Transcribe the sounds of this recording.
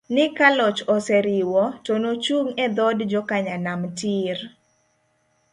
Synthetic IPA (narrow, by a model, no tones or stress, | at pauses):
nɪkalɔt͡ʃɔsɛɾɪwɔtonot͡ʃuŋɛd̪ɔdd͡ʒɔkaɲanamtiɾ